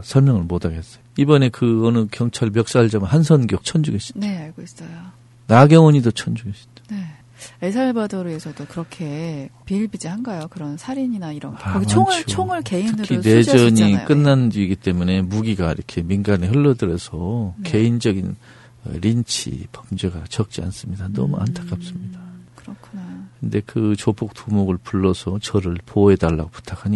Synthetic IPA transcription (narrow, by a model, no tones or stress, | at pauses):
sʰʌɭmjʌŋɯɭmodaɡes͈ʌjoibʌne̞kɯʌnɯkjʌŋt͡ɕʰaɭmjʌk̚s͈aɦaɭd͡ʑamʌnhansʰʌnɡjok̚t͡ɕʰʌnd͡ʑuɡeɕ͈i̥neaɭɡois͈ʌjo | naɡjʌŋwʌɲidot͡ɕʰʌnd͡ʑuɡeɕ͈idḁne̞ | esʰaɭbadʌɾuesʰʌdokɯɾʌkʰe̞piɭbid͡ʑiɦanɡajokɯɾʌnsʰaɾiɲinaiɾʌakʌɡit͡ɕʰoŋɯt͡ɕʰoŋɯɭke̞itɯnɯkʰine̞d͡ʑʌɲik͈ɯnːandiːɡit͈e̞mune̞muɡiɡaḭɾʌkʰe̞minɡaneɦɯɭːʌdɯɾesʰʌke̞ind͡ʑʌɡin̰ | ɾint͡ɕʰḭpʌmd͡ʑeɡat͡ɕʌk̚t͡ɕ͈ia̰ns͈ɯmɲidanʌ̰mṵa̰ntʰḁk͈ap̚s͈ɯmɲidakɯɾʌkʰunajkɯnde̞kɯt͡ɕopʰok̚t͈ʰumoɡɯɭpuɭːʌsʰʌt͡ɕʌɾɯɭpoe̞daɭːa̰ɡopu̥tʰakʰaɲi